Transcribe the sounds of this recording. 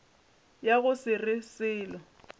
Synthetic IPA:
jaɣʊsɪrɪsɪːlɔ

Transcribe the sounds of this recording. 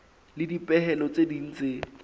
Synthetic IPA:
lɪdipʼɛhɛlɔt͡sedin̩t͡se

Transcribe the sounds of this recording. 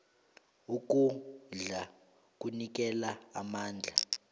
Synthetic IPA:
uk̬ʼuɮa | kʼunik̬ʼɛlaamaːnd͡ɮʱa

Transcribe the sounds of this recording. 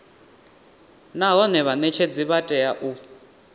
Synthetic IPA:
naɦɔnɛβanɛt͡ʃʰed͡ziβatʼɛjaʔu

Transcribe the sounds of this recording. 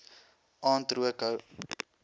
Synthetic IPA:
ɑːntɾuəkəw

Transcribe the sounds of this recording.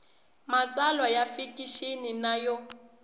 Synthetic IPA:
mat͡sʼalwajafikʼiʃeninajɔ

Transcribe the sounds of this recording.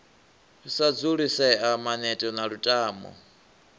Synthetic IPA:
husad͡zuɺisɛamanɛtʼɔnaɺutʼaːmɔ̰

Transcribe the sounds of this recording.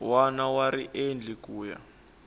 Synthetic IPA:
wanawaɾiʔend͡ɮʱik̬ʼuːja̰

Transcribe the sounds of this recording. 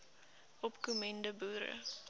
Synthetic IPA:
ɔpkumɛndəbuːɾə̰

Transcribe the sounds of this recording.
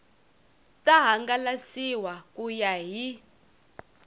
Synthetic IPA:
tʼaɦaŋɡalasiwakujaɦi

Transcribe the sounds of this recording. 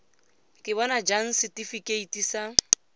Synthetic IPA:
kʼɪbɔnad͡ʒan̩sɪtʼifikʼeitʼisa

